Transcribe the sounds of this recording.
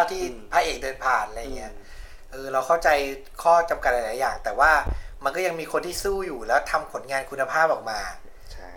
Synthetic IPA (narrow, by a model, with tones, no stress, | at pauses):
t̪ʰiː˥˩pʰaː˧ʔeː˨˩k̚dɤː˧npʰaː˨˩nʔjŋi˦˥ɐ | ʔɤː˧ɾa˧wkʰa˥˩wt͡ɕa˧j | kʰɔː˥˩t͡ɕa˧mka˨˩t̪̚la˧˥˩laː˨˩˦jaː˨˩ŋt̪ɛː˨˩waː˥˩ma˧nkɔː˥˩ja˧ŋmiː˧kʰo˧nt̪iː˥˩suː˥˩juː˨˩lɛː˦˥wt̪ʰa˧mpʰo˩˦nŋaː˧nkʰu˧nːa˧pʰaː˥˩p̚ʔɔː˨˩k̚maː˧